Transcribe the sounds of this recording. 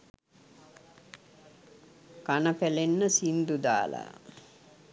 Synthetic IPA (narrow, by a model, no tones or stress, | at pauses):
kanəpælenːəsind̪ud̪a̰ːla̰